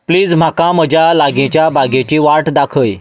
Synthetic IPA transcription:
pliːd͡zm̤akãməd͡ʑjalaɡẽt͡ɕjabʱaɡẽt͡ɕiːʋaʈd̪akʰəj

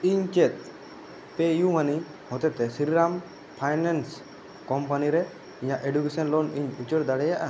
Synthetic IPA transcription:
iɲt͡ʃɛt̪̚ˀ | pejumani | hɔt̪ɛt̪ɛsiɾiɾam | pʰajnans | kɔmpaniɾɛ | iɲaʔeɖjukesɔnlɔniɲut͡ʃəɽd̪aɽɛjaʔa

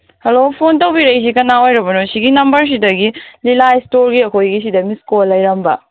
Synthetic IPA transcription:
hɐlopʰontɐwbiɾɐjs̬ikɐnːaojɾɐbɐnosiɡinɐmbɐɾs̬idɐɡililajstoɾɡiɐkʰojɡis̬idɐmiskolːɐjɾɐmbɐ̰

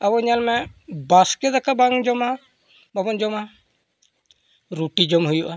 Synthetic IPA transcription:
abɔɲalmɛbaskɛd̪akabaŋd͡ʒɔma | babɔnd͡ʒɔma | ɾuʈid͡ʒɔmɦujuʔa

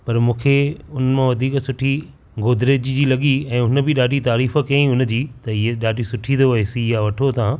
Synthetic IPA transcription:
pɐɾmũːkʰeʊnəmãʋɐd̪ʱiːksʊʈʰi | ɡoːd̪ʱɾeːd͡ʑd͡ʑiːlɐɠiɛ̃ːʊnə̆bɪɗaːɖit̪aːɾiːfəkɐĩʊnəd͡ʑiːt̪ɐɪɦeɗaːɖʱisʊʈʰĩnd̪oɐɪsiɪɦaʋɐʈʰot̪ʰã

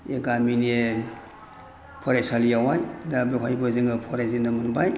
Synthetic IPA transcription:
eɡamine | pʰɔɾajsalijawajdabeɦajbɯziŋɯpʰɔɾazinɯmɯnbaj

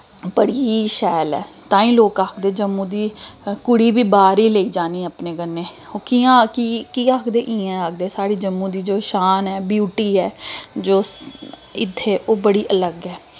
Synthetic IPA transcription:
pəɽiːʃɛːlɛ̰ː | t̪ãːĩːloːkaːkʰd̪eːd͡ʒəmːũːd̪iːkʊɽiːbiːbaːɾiːləiːd͡ʒaːniːapneːɡənːeːoːkiãːkikiːaːkʰd̪eːʔĩːɛ̃ːaːk̚d̪eːsaːɽiːd͡ʒəmːũːd̪iːd͡ʒoːʃaːnɛːbjuːʈiːɛːd͡ʒoː | ɪt̪ʰːeːʔoːbəɽiːʔələɡɛː

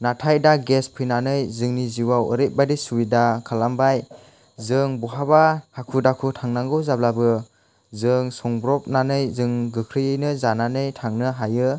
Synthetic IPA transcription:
natʰajdaɡespʰɯjnanɯjzɯŋniziwawəɾet̚badisuwidakʰalambaj | zɯŋbɔɦabahakʰudakʰutʰaŋnaŋɡɯwzablabɯ | zɯŋsɔŋbɾɔp̚nanɯjzɯŋɡɯkʰɾɯjɯjnɯzananɯjtʰaŋnɯɦajɯ

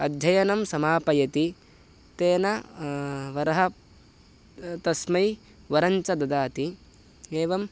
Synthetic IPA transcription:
ɐd̪ʱjɐjɐnɐmsɐmaːpɐjɐt̪i | t̪eːnɐ | ʋɐɾɐɦɐ | t̪ɐsmɐj | ʋɐɾɐɲt͡ʃɐd̪ɐd̪aːt̪i | eːʋɐm

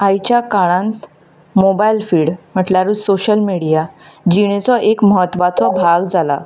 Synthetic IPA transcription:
ajt͡ɕjakaɭ̃ãnt̪ | mobailfiːɽm̤əʈlaɾuːsoɕəlmiɽijad͡ʑiɽ̃et͡sɔʔekməɦət̪ːʋat͡sɔbʱaɡd͡zala

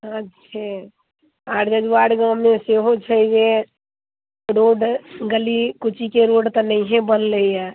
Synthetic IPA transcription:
ətːʃʰa | aʈʰd͡ʒəd͡ʒʋaɽɡãmːẽseɦot͡ʃʰəd͡ʒe | ɾoɖɡəlikut͡ʃʰikeɾoɖt̪ɔnəiɦẽbənləjɛ

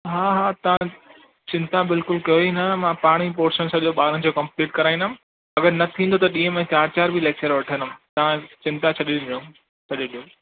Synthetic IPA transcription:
ɦaːɦaːt̪ɐʋ̤ã | t͡ɕɪ̃nt̪abɪlkʊlkɐoinəmãpaːɽ̃ipoːɾʃənsɐʄoɓaːɾənɪ̆d͡ʑoːkɐ̃mpliːʈkɐɾaːĩnəm̃ | ɐɡəɾnɐt̪ʰĩːn̆d̪ot̪ɐɗĩːɦə̃mẽt͡ɕaːɾt͡ɕaːɾbʱileːk̚t͡ɕəɾʋɐʈʰə̃nm̃t̪ɐʋ̤ãt͡ɕɪ̃nt̪at͡ɕʰɐɗiɗĩõ | t͡ɕʰɐɗiɗijo

